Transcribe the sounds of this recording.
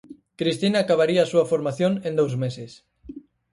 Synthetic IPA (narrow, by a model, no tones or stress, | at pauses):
kɾist̪inaːkaβ̞aɾiaːsuɐfoɾmaθjoŋẽnd̪owzmeses